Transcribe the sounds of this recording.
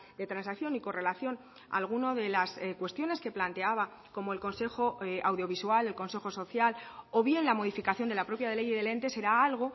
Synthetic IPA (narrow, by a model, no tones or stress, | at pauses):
d̪e̞t̪ɾansakθjo̞niko̞re̞laθjo̞n | a̰lɣ̞unoðe̞laskwe̞st̪jo̞ne̞ske̞plant̪e̞aβa | ko̞mo̞e̞lko̞nse̞xo̞awðjo̞β̞iswale̞lkõ̞nse̞xo̞so̞θjalo̞βje̞nlamo̞ð̞ifikaθjond̪elapɾo̞pjaðelejðele̞nt̪e̞se̞ɾaalɣ̞o̞